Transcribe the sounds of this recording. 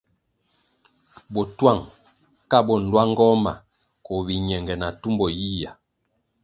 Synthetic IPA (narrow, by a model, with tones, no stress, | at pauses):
bɔ˨twa˦˨ŋ | ka˦˨bɔ˨n̩˨lwa˦ŋ˦ɡɔ˦ma̰˨ | kɔ˨βi˨ɲɛ˨ŋɡɛ˨na˨tu˦mbɔ˨ji˦ja˨